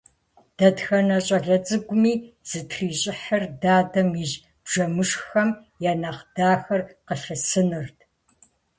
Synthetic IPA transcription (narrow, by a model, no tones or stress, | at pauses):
d̥ɐdxɐnɐɕʼɐɮɐt͡sʼɨɡʷʊmiːz̥ɨtʰriːɕʼɪħɐrdaːdɐmjɪʒ | b̥ʒɐmɨʂxɐm | jaːnaːqd̥aːxɐrqəɬɐsɨnɨrtʰ